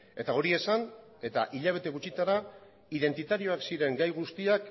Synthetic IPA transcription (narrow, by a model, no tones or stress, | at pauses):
e̞t̪ao̞ɾie̞san | e̞t̪aʔiʎaβ̞e̞t̪e̞ɣut͡ʃit̪aɾa | iðe̞nt̪it̪aɾio̞aksiɾe̞ŋɡajɣ̞ust̪iak